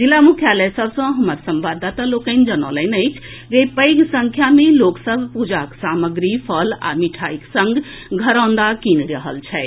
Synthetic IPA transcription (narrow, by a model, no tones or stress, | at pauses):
d͡ʒilːamukʰjaləjsəbsə̃ɦəməɾsəmbad̪ːat̪alokənd͡ʒənə̰lənəjt͡ʃʰ | d͡ʒepəɪɡsə̃ŋkʰjameloksəbʱpud͡ʒaksaməɡɾipʰəla̰miʈʰaiksə̃ŋɡ | ɡʱəɾãnd̪akinɾəɦə̰lt͡ʃʰɛ